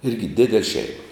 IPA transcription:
ˈɪrʲɡʲɪ ˈdʲɪdʲɛlʲ ˈʃʲɛɪmɐ

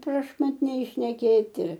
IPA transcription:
prɐʃmɐtʲˈnʲɛɪ ʃʲnʲɛˈkʲeːtʲɪ

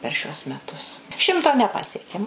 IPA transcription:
pʲɛr ˈʃʲuɔs mʲɛˈtʊs ˈʃʲɪmtoː nʲɛˈpɑːsʲiɛkʲɛm

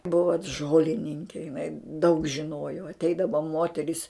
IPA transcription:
ˈbʊʋoː t ˈʒoːlʲɪnʲɪŋʲkʲeː jɪˈnɐɪ dɐʊk ʒʲɪˈnoːjoː ɐtʲˈɛɪdɐʋoː ˈmoːtʲɛrʲɪs

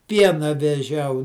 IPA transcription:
ˈpʲiɛnɐ ʋʲɛˈʒʲɛʊ

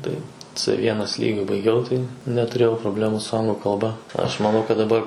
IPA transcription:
ˈtɐɪ t͡s ˈʋʲiɛnɐs ˈlʲiːɡʲʊ bɐɪˈɡʲɛʊ tɐɪ nʲɛtʊˈrʲeːjɛʊ proːˈbʲlʲæːmuː sʊ ˈɐŋɡlˠʊ kɐlˠˈbɐ ˈɐʃ mɐˈnɐʊ kɐt dɐˈbɐr

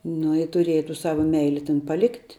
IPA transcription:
ˈnʊ ɪ tʊˈrʲiɛjɛ tuː ˈsɑːʋɐ ˈmʲɛɪlʲɪ tʲɛn pɐˈlʲɪktʲ

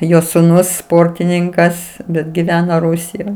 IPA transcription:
ˈjoː sʊˈnʊs ˈspoːrʲtʲɪnʲɪŋkɐs bʲɛt ɡʲɪˈʋʲæːnɐ ˈrʊsʲɪjoːj

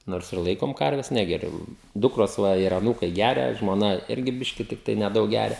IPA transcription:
ˈnoːrs ɪr ˈlˠɐɪkoːm ˈkɐrʲʋʲɛs ˈnʲæːɡʲɛrʲʊ ˈdʊkroːs ˈʋɐ ɪr ɐˈnuːkɐɪ ˈɡʲæːrʲɛ ʒmoːˈnɐ ˈɪrʲɡʲɪ ˈbʲɪʃʲkʲɪ tʲɪkˈtɐɪ nʲɛˈdɐʊk ˈɡʲæːrʲɛ

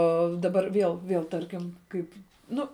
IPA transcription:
ˈoː dɐˈbɐr ˈʋʲiɛlˠ ˈʋʲiɛlˠ ˈtɐrʲkʲɪm ˈkɐɪp ˈnʊ

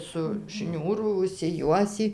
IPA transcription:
sʊ ˈʃʲnʲuːrʊ ʊʃʲsʲɪˈjuɔsʲiː

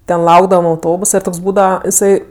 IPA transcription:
ˈtʲɛn ˈlˠɐʊɡdɐʋɐm ɐʊˈtoːbʊsɐ ɪr ˈtoːks ˈbuːdɐʋɐ jɪˈsɐɪ

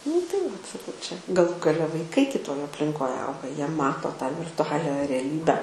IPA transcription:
nʊ tɐɪ ʋɐt sɐˈkɐʊ t͡ʃʲɛ ɡɐˈlˠuː ɡɐˈlʲɛ ʋɐɪˈkɐɪ kʲɪˈtoːj ɐpʲlʲɪŋˈkoːj ˈɐʊɡɐ ˈjiɛ ˈmɑːtoː tɑː ʋʲɪrtʊˈɑːlʲɛ rʲɛˈlʲiːbʲɛ

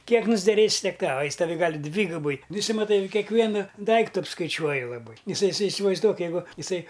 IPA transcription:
ˈkʲiɛk nʊzʲdʲɛˈrʲeːsʲɪ ˈtʲiɛk ˈtɑːʋɐ ˈjɪs tɐˈʋʲɪ ˈɡɑːlʲɪ ˈdʲʋʲiːɡʊbɐɪ ˈnʊ ɪˈsɐɪ mɐˈtɐɪ kʲɛkˈʋʲiɛnʊ ˈdɐɪktʊ ɐpskɐɪˈt͡ʃʲuɔjʊ lˠɐˈbɐɪ ɪˈsɐɪ ɪˈsɐɪ ɪsʲɪʋɐɪzˈduɔk jɛɪˈɡʊ ɪˈsɐɪ

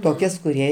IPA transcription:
toːˈkʲɛs kʊˈrʲiɛ

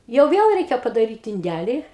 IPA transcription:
jɛʊ ˈʋʲiɛlˠ ˈrʲɛɪkʲɛ pɐdɐˈrʲiːt ɪnʲˈdʲælʲɪ

